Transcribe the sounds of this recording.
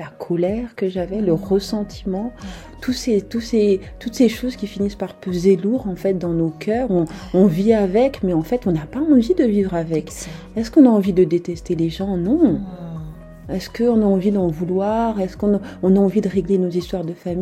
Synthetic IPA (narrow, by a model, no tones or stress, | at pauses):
lakʰɔlɛʁkəʒavɛləʁəsɑ̃t̪ʰi̥mɑ̃ | t̪uset̪use | t̪ut̪seʃozkʲifinispaʁpøzeluʁɑ̃fɛt̪̚d̪ɑ̃nokʲʰœːʁɔ̃ɔ̃viavɛkmɛɑ̃fɛt̪ɔ̃napaɑ̃vid̪əvivʁavɛk | ɛskɔ̃naɑ̃vid̪əd̪et̪ɛst̪eleʒɑ̃nɔ̃ | ɛskəɔ̃naɑ̃vid̪ɑ̃vulwaʁɛskɔ̃naɔ̃naɑ̃vid̪əʁeɡlenozist̪waʁd̪əfami